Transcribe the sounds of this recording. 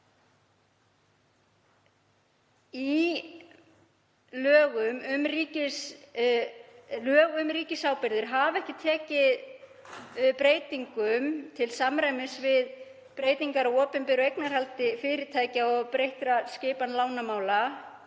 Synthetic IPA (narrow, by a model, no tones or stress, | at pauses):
i | lœːɣʏmʏmɾiːcɪs | lœːɣʏmɾiːcɪsaːwpɪɾðɪɾ̥ɦavɛhcɪt̪ʰɛːcɪð | pɾeːjt̪iŋkʏmt̪ʰɪlsamɾajmɪsvɪð | pɾeːjt̪iŋkaɾaɔːpɪnmpɪɾejknaɾ̥halt̪ɪfɪːɾɪt̪ʰaːjcaɔɣpɾejht̪ɾascɪːpanlaːwnamaːwla